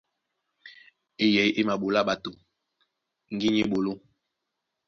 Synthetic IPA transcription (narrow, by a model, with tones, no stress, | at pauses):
e˨jɛ˨˦i˦ʔe˦ma˨ɓo˨la˦ɓa˨to˨ | ŋ˦ɡi˦ɲe˦ɓo˨lo˦